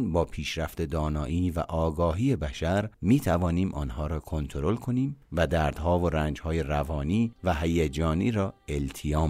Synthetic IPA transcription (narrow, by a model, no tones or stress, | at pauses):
nbɒːpʰiːʃɾæft̪e̞d̪ɒːnɒːʔiːvæ̰ʔɒːɡɒːɦiːe̞bæʃæɾmiːt̪ʰævɒːniːmʔɒ̰ːnhɒːɾɒːkʰo̞nt̪ʰoɾo̞lkʰo̞niːmvæd̪æːɾd̪̥hɒːvoɾæːnd͡ʒhɒːjerævɒːniːvæɦæjed͡ʒɒːniːɾɒːelt̪ʰijɒːm